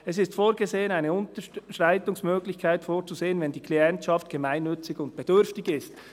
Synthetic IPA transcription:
ɛsɪstfoːɾɡezeːənaɪnəʊntəʃʁaɪtʊŋsmøːɡlɪçkʰaɪtfoːɾt͡suzeːənvɛndiːkʰliɛntʃɑftɡ̥emaɪnːʏt͡sɪɡʊnt̚b̥ed̥ʏɾftɪɡɪst

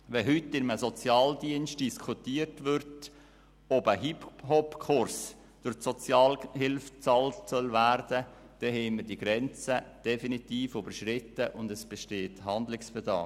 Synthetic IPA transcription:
ʋɛɦʏtːɪnməsɔt͡sjɑːldiənst̚d̥iskʰutiəɾtʋʏɾt | ɔbəɦiphɔpkʰʊɾs | d̥ʊɾsɔt͡sjɑːlɦɪlft͡sɑltsœlʋæɾd̥ə | d̥ɛɦɛɪməɾdiɡ̥ɾɛnt͡səd̥ɛfinit̪iːfybəɾʃɾɪtəʔʊndɛsb̥ɛʃteːthɑnd̪lɪksfɛdɑ̰ː

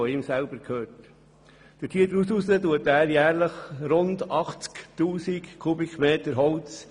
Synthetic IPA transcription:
ɔɪːmsælb̥əɾkʰøːt | d̥ətʰiːəd̪əɾususətuətæːɾjæːɾləχɾʊndɑχt͡sktuːsikkʰubɪkmeːtəɾɦɔlt͡s

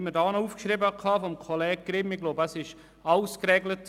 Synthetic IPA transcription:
mədɑːnəuːfkʃriːbəkʰɑːfɔmkʰolɛːɡ̚ɡ̥rɪmɪɡ̥loːbəəsɪʃ | aʊskrɛːɡlət

